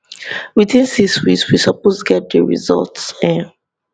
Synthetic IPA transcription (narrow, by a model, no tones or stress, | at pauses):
widĩnsikswḭkswisɔpostuɡɛt̚dəɹḭzɔ̰ltsɛ̃n